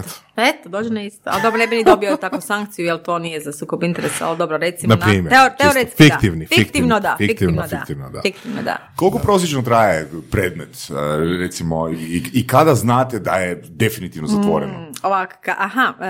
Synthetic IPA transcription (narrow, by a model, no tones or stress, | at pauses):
et̪od̪oːd͡ʒenaistt̪oald̪o̞bɾonebinid̪o̞biot̪akʋusaŋkt̪sijujelˠt̪o̞nijezasuːkobint̪eɾesa̰ld̪obɾoɾet̪simnanpaɾiːmjoteoɾett̪skfiat̪iʋnifikt̪iʋnod̪afiikt̪iinofiakt̪iʋnod̪a̰fikt̪iʋnod̪a̰kolˠikopɾo̞sjet͡ʃnot̪ɾaːjepɾeːd̪met̪ɾet̪simoiikad̪aznaːt̪ed̪ajed̪e̞finit̪iʋnozat̪ʋo̰ɾenooʋakḁkaʔaɦa